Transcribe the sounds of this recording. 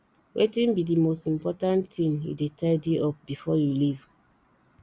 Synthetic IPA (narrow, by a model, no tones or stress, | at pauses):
wʔetĩnbidimostĩmpɔtãntĩmjṵdetʰaɪdeʔɔp̚bifɔjuliv